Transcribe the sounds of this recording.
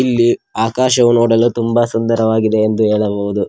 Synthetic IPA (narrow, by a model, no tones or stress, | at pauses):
ilːiaːkaːʃɐʋunoːɽɐluːt̪umbɐsund̪ɐɾɐʋaːɡid̪e̞ːnd̪uɦeːɭɐboʋud̪u